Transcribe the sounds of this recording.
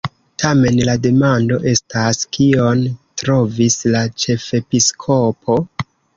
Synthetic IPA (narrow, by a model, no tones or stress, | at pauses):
tʰame̞nlade̞mando̞ʔe̞staskio̞ntɾo̞vislat͡ʃe̞fe̞piskʰo̞pʰo̞